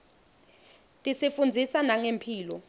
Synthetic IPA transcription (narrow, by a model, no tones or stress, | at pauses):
tʼisifund͡zʱisanaŋempʰiːlɔ